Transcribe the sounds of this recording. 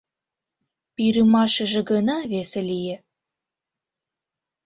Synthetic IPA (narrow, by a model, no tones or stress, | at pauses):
piɾɯmɑʃə̆ʒĕɡɤnɑβeselijĕ